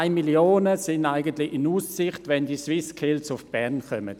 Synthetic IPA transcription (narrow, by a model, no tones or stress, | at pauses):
ɪmiljoːnəsɪndaɪɡəntlɪʔɪnuːssɪχtvɛndiːswɪskʰɪlsʊfb̥ɛʁnkœmə̰t